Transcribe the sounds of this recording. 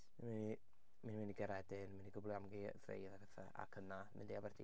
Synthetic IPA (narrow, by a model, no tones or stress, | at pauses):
nmini | minminiɡəɾɛdɪnminiɡʊblˠiamɡiðrḛjðaɡəθaʔa̰kʰənamɪ̰ndiabɛrdḭ